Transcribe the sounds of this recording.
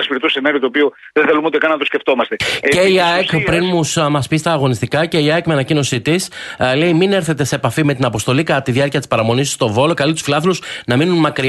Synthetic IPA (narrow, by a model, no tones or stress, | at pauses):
ɐspiɾet̪osenɐɾiot̪opio | ðeθelumot̪ekɐnnɐt̪osce̞ft̪o̞mɐst̪eceiɐekpɾinmusmɐspist̪ɐːɣo̞nist̪ikɐce̞iɐekmeɐnɐcino̞sit̪isle̞imine̞ɾθe̞t̪e̞se̞ːpɐfime̞t̪inɐpo̞st̪o̞likɐt̪iðjɐɾciɐt̪ispɐɾɐmo̞nisi̥st̪o̞vo̞lo̞kɐlit̪u̥sfilɐθilusnɐminunmɐkɾi